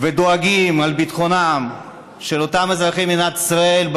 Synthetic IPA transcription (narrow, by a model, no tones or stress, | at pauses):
ved̪o̞aɡimalbit̪χo̞nam | ʃelo̞t̪amezʁaχiminat̪i̥sʁae̞lb